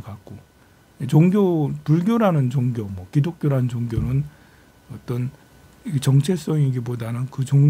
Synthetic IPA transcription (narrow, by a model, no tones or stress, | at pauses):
kak̚k͈o | et͡ɕoŋɡjopuɭɡjoɾanɯnt͡ɕoŋɡjomwʌkidok̚k͈joɾanɯnd͡ʑoŋɡjonɯn | ʌt͈ʌn | it͡ɕʌŋt͡ɕʰe̞s͈ʌŋiɡibodanɯnkɯt͡ɕoŋ